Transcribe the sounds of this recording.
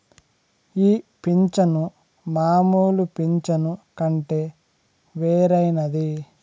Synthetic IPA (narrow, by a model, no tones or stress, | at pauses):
iːpiɲt͡ʃɐnu | maːmuːlupiɲt͡ʃɐnukɐɳʈeː | ʋeːɾɐjnɐd̪i